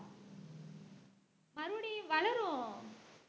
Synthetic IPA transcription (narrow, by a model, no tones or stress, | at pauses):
mɐɾuɽiʋɐɭɐɾõ